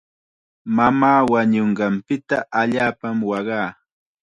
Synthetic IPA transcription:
mamaːwaɲoɴɢɑmpɪt̪aʔaʎaːpamwɑɢɑː

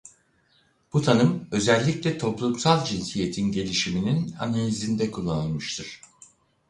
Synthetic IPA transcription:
b̥ut̪ʰanɯmø̞zɛlʲːiclʲɛt̪ʰo̞plˠumsalˠd͡ʒinsije̞t̪ʰinɟe̞lʲiʃiminina̰nalʲizind̪ɛkʰulˠːanɯlˠmɯʃt̪ʰɯɾ̥

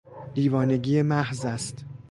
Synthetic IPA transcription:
d̪iːvɒːne̞ɟiːemæhzæst̪

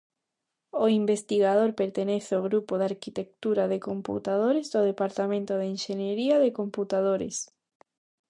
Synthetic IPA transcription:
oimbest̪iɣað̞oɾpeɾt̪eneθeoɣɾupoðaɾkit̪ek̚t̪uɾaðekompṵt̪að̞oɾezðoðepaɾt̪amẽnt̪oð̞einʃeɲeɾiaðekomput̪að̞oɾɪ̰s

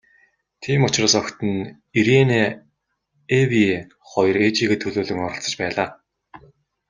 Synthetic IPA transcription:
t̪ʰiːmʊt͡ɕraːsɔkt̪ɘ̆n | iɾene | ewi | χɔjɞ̆ret͡ɕiːɣĕːt̪ʰɵɮoːɮɵ̆ŋɔɾɞ̆ɬt͡sə̥̆t͡ɕpæːɮaː

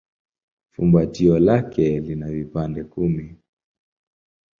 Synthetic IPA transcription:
fṵmbatiɔlakɛlinavipandɛkumi

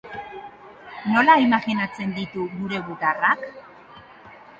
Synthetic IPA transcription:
no̞laimaɣinat͡se̞nd̪it̪uɡuɾe̞ɣuɣarak

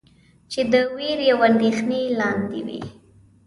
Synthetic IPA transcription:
t͡ʃed̪əwiɾjawand̪exnelɑnd̪ḭwḭ

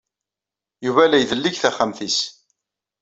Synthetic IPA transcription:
juvælæjðəlːiçθæχamθis

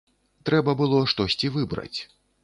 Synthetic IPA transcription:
t̪ɾɛbɐbɨlˠɔʂt̪ɔsʲt͡sʲivɨbɾɐ̰t͡sʲ

